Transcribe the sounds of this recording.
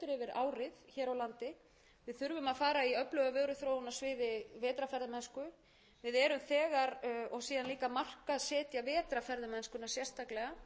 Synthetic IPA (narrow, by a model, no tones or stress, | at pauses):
t̪ʏɾɛvɪɾaːwɾɪðçɛːɾawlant̪ɪ | vɪðθʏɾvʏmaðfaːɾaiœplœɣavœːɣɾʏθɾoːwʏnːasvɪːðɪvɛːt̪ɾafɛɾðʏmɛnskʏ | vɪðɛːɾʏmθɛːɣaɾɔɣsiːðanliːkamar̥kasɛːt̪javɛːt̪ɾafɛɾðʏmɛnskʏnasjɛrst̪aklɛɣa